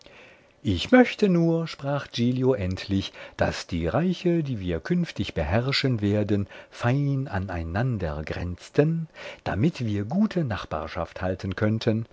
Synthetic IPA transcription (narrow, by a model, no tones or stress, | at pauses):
ʔɪçmœçtənuːɐʃpʁ̥aːχd͡ʒiːljoʔɛntʰlɪçd̥a̰sd̥iːʁaɪçədiːviːɐkʰʏnftɪçb̥əɦɛʁʃənveːɐdənfaɪna̰na̰ɪnandɐ̰ɡʁɛ̰nt͡stʰənd̥a̰mɪtv̥iːɐɡuːtʰənaχb̥a̰ːɐʃa̰fthaltʰənkʰœntʰən